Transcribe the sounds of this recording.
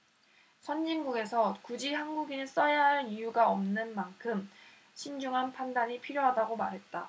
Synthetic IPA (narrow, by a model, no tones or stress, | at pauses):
sʰʌnːinɡuɡe̞sʰʌkud͡ʑihanɡuɡinɯɭs͈ʌjaɦanijuɡaʌmnɯnmankʰɯm | ɕʰind͡ʑuŋɦanpʰandaɲipʰiɾjoɦadaɡomaɾɦe̞t̚t͈a